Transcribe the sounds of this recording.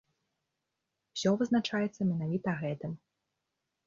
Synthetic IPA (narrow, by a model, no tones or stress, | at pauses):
sʲɔvɨznat͡ʂajɛt̪sːɐmʲɛnavʲit̪ɐɣɛt̪ɨm